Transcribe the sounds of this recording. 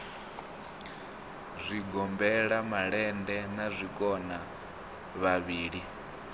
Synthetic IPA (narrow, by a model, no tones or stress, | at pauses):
zʷiɡɔmbɛɺamaɺɛndɛnazʷikʼɔna | βaβiːɺi